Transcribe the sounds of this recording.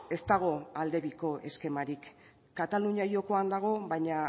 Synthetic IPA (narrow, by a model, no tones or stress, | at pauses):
e̞st̪aɣ̞o̞ald̪e̞βiko̞ʔe̞ske̞maɾikː | at̪aluɲajo̞ko̞and̪aɣ̞o̞βajɲa